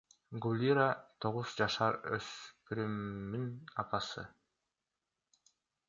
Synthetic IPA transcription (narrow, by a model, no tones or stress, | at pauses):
ɡulʲiɾat̪ʰo̞ʁuzd͡ʒɑʃɑɾø̰spʰyɾymːinɑpɑsɯ̰